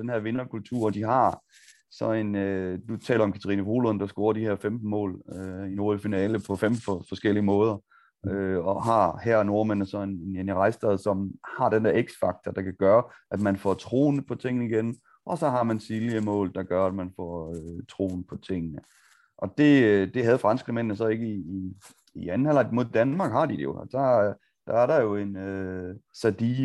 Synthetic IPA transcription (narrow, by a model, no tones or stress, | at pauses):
d̥enɦeɐʋe̝nɐkʰult͡sʰuɐ̰d̥iɦɑ̈ | sɒ̽e̝nød̥ut͡sʰɛ̰ːlɐɒ̽mkʰæt͡sʰɐʁiːnəʋo̝ːlond̥ɑ̈sɡ̥o̝ːɐd̥iheɐ̰femd̥n̩mɔ̰̽ːløino̝ːðˠfinɛːləpʰɒ̽femffɒ̽sɡ̥el̰iəmɔ̽ːð̞ˠɐ | øɒɦɑ̈hæɐ̰no̝ɐmen̰əsɒ̽enenjeniʁɑ̈ɪsd̥ɛðˠsɒ̽mhɑ̈d̥end̥eɐeɡ̥sfɑ̈ɡ̥̚t͡sʰɒd̥ɑ̈kʰæɡ̥ɶːɐʔæd̥mænfɒt͡sʰʁo̝̰ːnəpʰɒ̽t͡sʰe̝ŋ̰nəiɡ̥en | ʔɒ̽sɒ̽ɦɑ̈mænsiliəmɔ̰̽ːld̥ɑ̈ɡ̥ɶɐæd̥mænfɒ̰øt͡sʰʁo̝̰ːnpʰɒ̽t͡sʰe̝ŋ̰nə | ʔɒ̽d̥e̝d̥e̝ɦæð̞̩ˠfʁɑnsɡ̥ʁəmen̰nəsɒ̽e̝ɡ̥əiː | iæn̩hel̰ɐdmo̝ðˠd̥ænmɑ̈ːɡ̥hɑ̈d̥id̥ejo̝d̥ɑ | d̥ɑæɐɾɑ̈jo̝e̝nøsæd̥iː